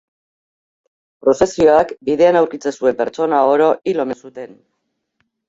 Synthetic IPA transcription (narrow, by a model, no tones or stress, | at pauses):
pɾo̞se̞sio̞akbiðe̞anawɾkit͡sesue̞mpe̞ɾt͡so̞naoɾo̞ʔilo̞mesut̪e̞n